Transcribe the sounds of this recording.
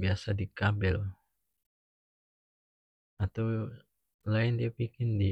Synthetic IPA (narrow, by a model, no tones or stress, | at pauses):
biasadikabɛl | at̪aw | laɪndiapikɪndi